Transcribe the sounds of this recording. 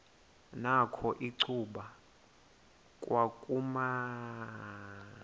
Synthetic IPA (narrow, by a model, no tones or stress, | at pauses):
nakʰɔʔiǀʰuɓa | kʼwʔakʼuma